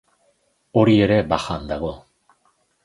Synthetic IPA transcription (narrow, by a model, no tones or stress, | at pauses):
o̞ɾie̞ɾe̞baxand̪aɣ̞o̞